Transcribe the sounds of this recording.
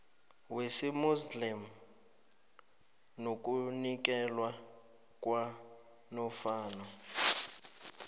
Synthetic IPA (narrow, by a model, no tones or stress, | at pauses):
wesimuslim̩ | nok̬ʼunik̬ʼɛlwa | kʼwa | nɔfaːnɔ